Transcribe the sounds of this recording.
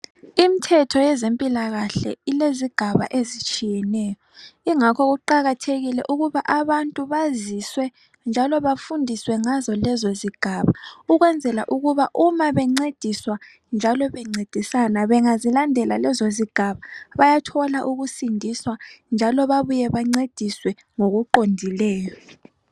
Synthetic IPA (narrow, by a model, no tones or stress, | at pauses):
im̩tʰɛtʰɔjɛzempʼilaɣaɬɛ̰ileziɡ̥ʱaβa̰ʔezit͡ʃʼijɛnɛːjɔiŋakʰɔɣuǃaɣatʰeɣilɛ̰ʔuɣuβaʔaβantʼuβaziswɛ | nd͡ʒʱalɔβafundʱiswɛŋazɔlɛzoziɡ̥ʱaβauɣwɛnd͡zʱɛla̰ʔuɣuβaʔumaβɛŋ͡ǀed̥ʱiswa | nd͡ʒʱalɔβɛŋ͡ǀed̥ʱisanaβɛŋazilandʱɛlalɛzoziɡ̥ʱaβaβajatʰɔlaʔuɣusindʱiswand͡ʒʱalɔβaβujɛβaŋ͡ǀed̥ʱiswɛ | ŋoɣuǃondʱilɛːjɔ